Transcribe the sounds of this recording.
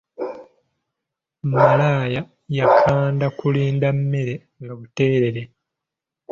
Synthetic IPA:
mmalaːja | jakʰaːndakuliːndamːe̞ɾe̞ | ŋɡaβute̞ːɾe̞ɾe

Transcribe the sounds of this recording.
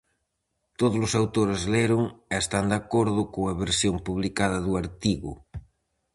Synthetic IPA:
t̪oðolʊsawt̪oɾezleɾoŋest̪and̪akoɾðʊkoŋaβeɾsjompuβ̞likaðɐðuaɾt̪iɣʊ̰

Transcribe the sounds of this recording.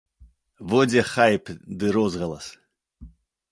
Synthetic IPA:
vodʲeχajpd̪ɨɾozʁɑlˠas

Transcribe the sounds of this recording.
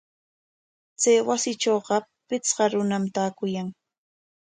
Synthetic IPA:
t͡sajwasɪʈ͡ʂoːɢɑpɪt͡sɢɑɾʊnamt̪aːkʊjaŋ

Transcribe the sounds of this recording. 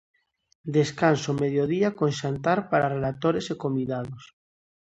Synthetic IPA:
d̪eskansomeðjoð̞iakonʃant̪aɾpaɾarelat̪oɾesekomiðaðos

